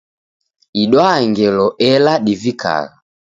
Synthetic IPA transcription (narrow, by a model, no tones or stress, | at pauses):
iɗwaŋɡɛlɔʔɛlaɗivika̰ɣa